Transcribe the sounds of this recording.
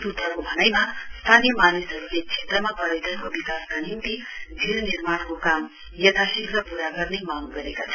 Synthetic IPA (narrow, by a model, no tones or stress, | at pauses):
t̪ut̪ʰʌkobʱʌnʌjmast̪ʰanijʌmanisʌɾulet͡sʰet̪rʌmapʌɾid̪ʱʌnkobikaskanint̪id͡zʱiɾnirmankokam | jʌt̪ʰasikrʌpuɾaɡʌrnemaŋɡʌɾekat͡sʰʌ